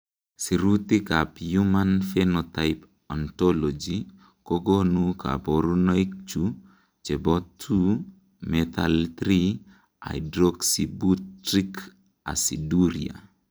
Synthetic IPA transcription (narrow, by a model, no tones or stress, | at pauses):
siɾut̪ikapjumanfɛnɔt̪ajp | ɔntɔlɔd͡ʒi | koɡonukʰa̰pɔɾunɔik̚t͡ʃu | t͡ʃɛbɔtʰu | mɛt̪a̰lt̪ɾi | a̰jdɾɔksibutɾik | a̰siduɾia̰